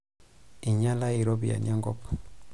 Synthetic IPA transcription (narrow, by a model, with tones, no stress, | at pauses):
i˨ɲa˦la˦i˨ɾo˦βḭ˨ja̰˨nja˦ŋɡɔ˦pḁ˨